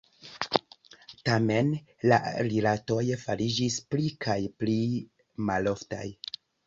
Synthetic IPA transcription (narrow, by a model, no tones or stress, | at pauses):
tame̞n | la̰ɾilato̞jfaɾid͡ʒisplikajpli | malo̞fta̰j